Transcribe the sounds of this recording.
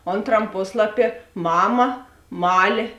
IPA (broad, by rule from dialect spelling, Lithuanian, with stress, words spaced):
ˈoːnˌtrɐm ˈpoːslˠɐˌpʲiɛ ˈmɑːmɐ ˈmɑːlʲeː